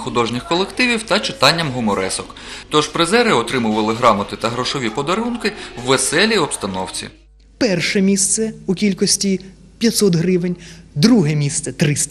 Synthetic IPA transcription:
xʊd̪ɔʒnʲɪxkɔlˠekt̪ɪʋʲiwt̪ɐt͡ʃɪ̥t̪ɑnʲːɐmɦʊmɔɾɛ̰sɔk | t̪ɔʒpɾezɛɾɪɔt̪ɾɪmʊʋɐlˠɪɦɾɑmɐt̪ɪt̪ɐɦɾɔʃɔʋʲipɔd̪ɐɾunkɪwːesɛlʲiɔbst̪ɐnɔwt͡sʲḭ | pɛrʃɛmʲist̪sɛʊkʲilʲkɔsʲtʲi | pʲjɐt̪ʲsɔt̪ɦɾɪʋenʲd̪ɾuɦɛmʲist̪sɛt̪ɾɪst̪

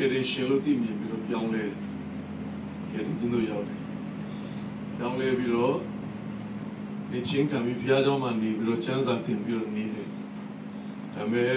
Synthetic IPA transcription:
ɛɾɪ̃ʃɛ̃lo̰t̪ḭmjɪ̃mpiɾɔ̰pjãʊ̃lɛɾɛ | ɡɛdḭ̃t͡ɕʰɪ̃nd̪o̰jaʊtɛ | pjãʊ̃lɛpiɾɔ | net͡ɕʰɪ̃ŋkʰãmbipʰəjad͡ʑãʊ̃manepiɾɔt͡ɕʰãnzat̪ɪ̰̃mpiɾɔ̰niɾɛ | d̥amɛ

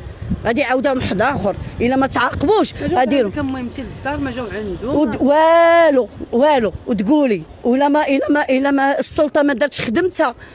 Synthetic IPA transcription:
ɣæd̪iʕawd̪æmħd̪æxəɾˤʔəlːæmæt̪ʕɑqbuʃɣæd̪ikæmːujmt̪ild̪ɑɾˤmæʒæwʕənd̪uw̪wæluwæluwt̪ɡuli | ʔəlæmæʔəlæmæʔəlæmæsˤːʊlt̪ˤɑmæd̪ɑɾˤt̪xəd̪əmt̪hæ

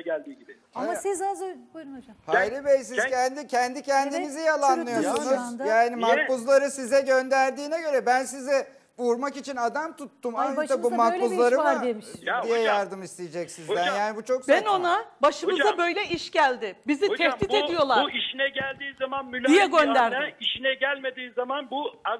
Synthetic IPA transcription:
ælʲd̪iːɟibɪ | amasizaz | haajɾibejs̬izʰɛnd̪icʰɛnd̪icʰɛnd̪inizijalˠanːˠɯjosunuzjaːnimak̚buzlˠaɾɯsizɛɟø̞nd̪æɾd̪iːnɛɟø̞ɾɛbæns̬izɛ | vuɾmakit͡ʃʰinad̪amt̪ʰut̪ːumand̪abumakbuzlˠaɾɯemʃd̪ijɛjaɾd̪ɯmist̪ʰijed͡ʒɛcsizb̪ɛnjaːnibut͡ʃʰo̞kbɛno̞nnabaʃɯmɯabø̞jlʲɛiʃɟælʲd̪ɪbizit̪ʰɛht̪ib̪e̞d̪ijo̞lˠaɾuiʃinɛɟælʲd̪iːzamanmylʲːdijjɛɟønd̪æɾd̪ɪiʃinɛɟælʲme̞d̪iːzamanbua

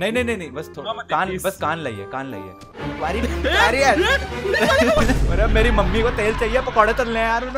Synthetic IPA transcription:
nɐɦĩnɐĩnɐ̃ĩnɐ̃ĩbɐst̪ʰokaːnbɐskaːnlɐḭḛkaːnla̰ḭḛ | ʋaːɾibaːɾiɛ | ɐɾeɐmeːɾimɐmːikot̪eːlt͡ʃaːɦiepɐkəɽẽt̪ɐɾlẽaːɾon

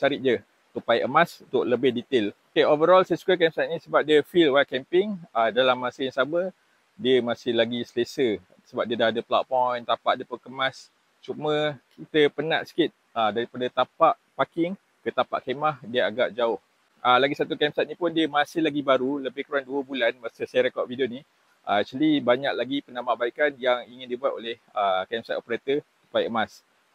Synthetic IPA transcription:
saɾɪʔ̚d͡ʒə | t̪upajʔəmasut̪ʊʔləbɪhdit̪elokeovəɾɔlsajsu̥kəkɛmsat̪̚nĩsəbap̚diəfilwal̚kɛmpɪŋədalamːasəjaŋsamə | diəmasɪhlaɡisəlesə | səbap̚diədaadəpla̰t̪̚pɔjnt̪apa̰ʔdiəpukəmãs | t͡ʃumə̃kʰit̪əpəna̰ʔsə̥kɪt̪̚ədaɾipadət̪apaʔpakɪŋ | kət̪apa̰ʔkemahdiəaɡaʔd͡ʒaʊh | əlaɡisat̪ukamsat̪̚nĩpʊndiəmãsɪhlaɡibaɾuləbɪhkɾuaŋduəbulanbasəsajaɾekɔt̚vidioni | ʔəat͡ʃulibaɲak̚laɡipənamaʔbaikanjaŋiŋɪndibuat̪̚olehəkɛmsat̪opəɾat̪əsu̥pajəəmas

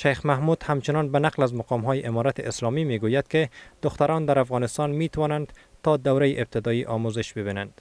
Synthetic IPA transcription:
ʃajxmahmud̪̥hamt͡ʃɪnɒnbanaqlazmaqɒmɦɒːjɪʔemɒɾat̪ɪʔɪslɒmimeɡojad̪̥ked̪̥ʊxt̪aɾɒnd̪aɾafɣɒnɪst̪ɒnmet̪awɒnand̪ | t̪ɒd̪awɾajeʔɪb̚t̪ʰɪd̪ɒiʔɒmuzɪʃbɪbinand̪̥

